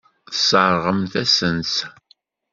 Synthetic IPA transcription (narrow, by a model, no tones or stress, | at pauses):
səɾʁəmθæsənt͡s